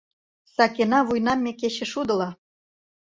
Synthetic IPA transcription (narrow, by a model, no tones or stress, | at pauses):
sɑkenɑβujnɑmʲːekeɕɘ̆ʃud̪ɤ̆lɑ